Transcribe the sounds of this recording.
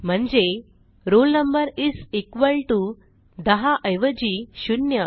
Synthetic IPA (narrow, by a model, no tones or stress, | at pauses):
m̤əɳd͡ze | ɾolnəmbəɾisekʋəlʈu | d̪əɦaʔəjʋəd͡ʑiːɕunjə